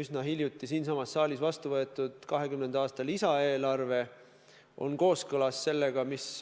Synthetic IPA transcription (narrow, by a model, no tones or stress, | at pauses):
ysnɑɦilʲjut̪ːˑisiːnsɑmɑsːɑːlʲisvɑst̪uvɤe̞t̪ːˑud̪̥kɑɦe̞kymnend̪ɑːst̪ɑlisɑe̞ːlɑrve̞ | ʔo̞̰nko̞ːskɤlɑsːe̞lːe̞ɡ̥ɑmis